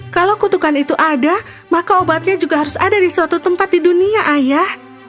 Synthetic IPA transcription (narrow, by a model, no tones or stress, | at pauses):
kalowkut̪ukanit̪uʔada | makaobat̪̚ɲad͡ʒuɡaɦaɾʊsadadiswat̪ut̪əmpat̪̚diduniaʔajah